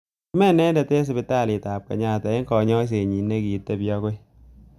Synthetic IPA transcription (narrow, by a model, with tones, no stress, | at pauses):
i˦mɛ˦nɛ˦ndɛ˨te˦s̬ɪ˨bɪ˦ta˦˨lɪ˨ta˨p̚kɐ̰˨ɲa˦˨tɛ˨ɪ˦ŋkɔ˨ɲɔ˦s̬e˨ɲi˨nːe˦ki˨tːe˦bjɔ˦ko˦j